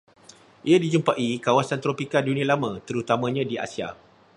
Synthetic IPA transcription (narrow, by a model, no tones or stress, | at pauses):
ʔiadid͡ʒumpaʔikawasant̪ɾopikadunĩalamãt̪əɾut̪amãɲãdia̰sia̰